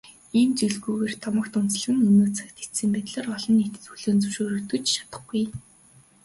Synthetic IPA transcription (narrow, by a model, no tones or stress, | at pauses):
ent͡ɕiɮɣuːɣeːrt̪ʰɔmə̆kt̪ʊn̥t͡sɮ̆ɣɘ̆nɵnoːt͡sʰḁkt̪ʰi̥sɘ̆mpæːt̪ɮaːrɔɮɞ̆nːit̪ɘ̥̆t͡sxuɮoːnt͡sɵwʃoːɾɵ̆kt̪ɵ̆kt͡ɕʃḁt̪ə̆χɡuj